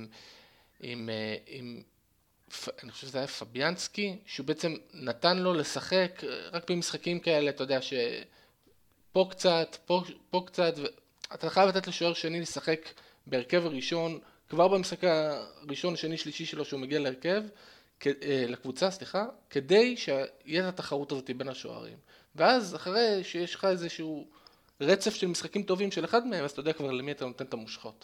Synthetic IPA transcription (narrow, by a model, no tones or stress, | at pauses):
imeim | faniχoʃevʃezeajafabjanskiʃeubeʔet͡semnatanlo̞le̞saχe̞kʁakbe̞misχakimkae̞leat̪ajod̪eaʃe̞ | po̞kt͡sat̪po̞po̞kt͡sat̪ve | at̪aeχajavlat̪etleʃoeʁʃeanilesaχe̞k | be̞eʁke̞vaʁiʃo̞n | kvaʁbemisχakaʁiʃo̞naʃeniʃliʃiʃe̞lo̞ʃeumeɡialeeʁke̞v | klakvut͡sasliχake̞de̞jʃeajetataχaʁutazo̞t̪ibe̞nhaʃo̞̰a̰ʁḭm | veazaχaʁeʃejeʃχaezeʃu | ʁet͡se̞fʃelmisχakimt̪o̞vimʃeleχadmeemaztajodakvaʁlemiat̪ano̞t̪e̞nt̪amuʃχo̞t